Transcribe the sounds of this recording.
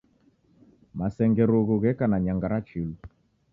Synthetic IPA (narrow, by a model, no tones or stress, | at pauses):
masɛŋɡɛɾoɣoɣɛkanaɲaŋɡaɾat͡ʃilu